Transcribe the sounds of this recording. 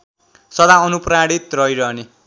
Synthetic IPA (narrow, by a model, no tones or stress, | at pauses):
sʌd̪aʌnupraɽit̪rʌjɾʌni